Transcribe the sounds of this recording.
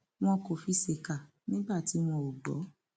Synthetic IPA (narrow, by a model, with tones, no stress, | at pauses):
w̃ɔ̃˧ko˨fi˧˦se˨ka˨ | nĩ˦ba˦˨ti˨˦w̃ɔ̃˧o˨ɡ͡bɔ˨˦